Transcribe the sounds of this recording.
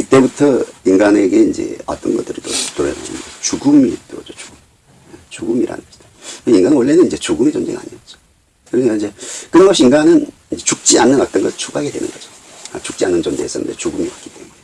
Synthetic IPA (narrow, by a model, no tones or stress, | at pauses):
it͈e̞butʰʌinɡane̞ɡe̞ind͡ʑe̞̰a̰t͈ʌnɡʌt͈ɯɾitotoɾʌa̰et͡ɕuɡumitod͡ʑot͡ɕu̥ɡum | et͡ɕuɡumiɾʔa̰nɨ̰nɡʌɕʰi̥d̥akɯeiŋɡanɯnwoɭːe̞nɯnind͡ʑe̞t͡ɕuɡumit͡ɕond͡ʑe̞̰ŋa̰ɲiad͡ʑo̥ | kɯɾʌɲik͈aind͡ʑe̞kɯnʌŋɡʌɕiiŋɡanɯn | ind͡ʑe̞t͡ɕuk̚t͡ɕ͈ianːɯnak̚t͈ʌnɡʌst͡ɕʰuɡaɡedwe̞nɯ̰nɡʌd͡ʑo̥ | at͡ɕuk̚t͡ɕ͈ianːɯnd͡ʑondes͈ʌ̰nɯ̰ndet͡ɕuɡumiak͈i̥t͈emune